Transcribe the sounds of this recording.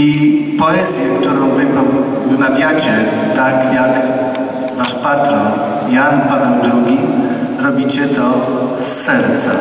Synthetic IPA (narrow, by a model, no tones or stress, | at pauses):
ipɔɛzʲjɛkt̪uɾɔ̃w̃vɘ | vmavʲjat͡ɕɛt̪akjak | vaʂpat̪ɾɔ | janpad̪ɛwd̪ɾuɡʲi | ɾɔbʲit͡ɕɛt̪ɔ | sːɛɾt̪sa̰